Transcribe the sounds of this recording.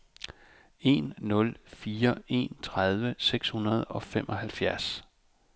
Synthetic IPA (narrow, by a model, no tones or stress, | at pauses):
e̝nːɔ̽lfiːɐe̝̰nt͡sʰʁað̞ˠʋəseɡ̥shunɐð̞ˠɒ̽femʔɒ̽ɦælfjæɐs